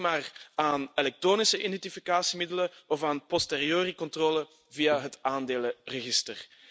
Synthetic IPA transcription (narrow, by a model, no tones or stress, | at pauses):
maːraːnelɛk̚troːnɪsəʔidɛntifikaːsimɪdələɔfaːnpɔsteːɾioːrəkɔntroːlə | vijaɦətaːndeːlərəɣɪstər